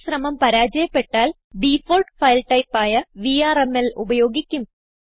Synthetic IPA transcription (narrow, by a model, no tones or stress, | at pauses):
ɕrɐmɐmpɐɾaːd͡ʑɐjɐpːe̞ʈːaːl | ɖifoːlʈfɐjlʈɐjpːaːjɐʋiːaːremelubɐjo̞ːɡikʲːum